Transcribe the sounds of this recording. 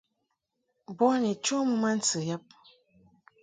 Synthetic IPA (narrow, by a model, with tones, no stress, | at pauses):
bɔ˦ni˨t͡ʃo˦mə˦ma˦n̩˦t͡sə˨jɛ˦p̚